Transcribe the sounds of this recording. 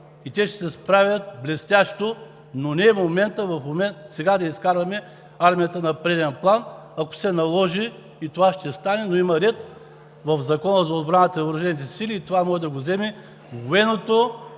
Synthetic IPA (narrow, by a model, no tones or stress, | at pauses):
it̪ʲɛʃt̪ɛ̥sɛspɾavʲɐt̪̚blʲɛst̪ʲaʃt̪o | nonɛɛmomɛnt̪əvɐfmomɛnt̪sɛɡad̪ɐiskaɾvɐmɛ | aɾmijɐt̪ənɐpɾɛd̪ɛnplˠanɐko̥sɛnɐlˠɔʒiː | t̪ovaʃt̪ɛst̪anɛnoimɐɾɛt̪ | vɐfzɐkɔnəzɐod̪bɾanət̪ɐnɐvɾʊʒɛnit̪̬ɛsilʲiːt̪ovamɔʒɛd̪ɐɡozɛmɛ | vɡʊɛnot̪o